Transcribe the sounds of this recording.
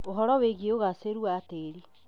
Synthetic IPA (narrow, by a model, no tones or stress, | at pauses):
oɦɔɾɔweɣeoɣaseɾuateɾi